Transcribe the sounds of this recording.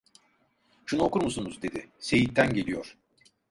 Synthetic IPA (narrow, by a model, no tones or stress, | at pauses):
ʃunuokuɾmusunuzd̪e̞d̪ɪse̞jit̪ʰːænɟe̞lʲijoɾ̥